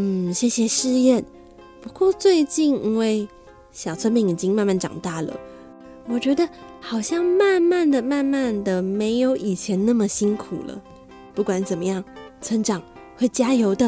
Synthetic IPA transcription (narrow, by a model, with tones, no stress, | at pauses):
n̩˥˩ɕjɛ˥˩ɕjɛ˨˩ʂɻ̩˥˧jɛ˥˩n | pu˧˥kwɔ˥˧t͡swe˥˧ɪt͡ɕi˥˧ni˥ŋwe˥˩ɪ | ɕjɑ˨˩t͡sʰwə˥npi˧˥ŋi˨˩t͡ɕi˥ŋma˥˧nma˥˩nʈ͡ʂɑ̰˨˩ŋt̪a˥˩lə̰˩ | wɔ˨˩t͡ɕɥɛ˧˥d̪ə˧xɑ˨˩ʊɕjɑ˥˧ŋma˥˧nma˥˩nd̪ə˩ma˥˧nma˥˩nd̪ə˩me˧˥ɪjo˧˥ʊʔi˨˩t͡ɕʰjɛ˧˥nna˥˩mə˨ɕi˥ŋkʰṵ˨˩lə̰˦ | pu˥˩kwa˧˥nt͡sə˨˩nmə˦jɑ˥˩ŋt͡sʰə˧˥ŋʈ͡ʂɑ˨˩˦ŋ | xwe˥˩ɪt͡ɕja˥jo˧˥ʊd̪ə˧